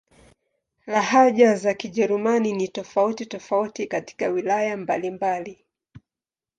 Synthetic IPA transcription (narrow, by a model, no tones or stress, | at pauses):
laɦaʄazakiʄɛɾumaninitɔfautitɔfautikati̥kawilajambalimbali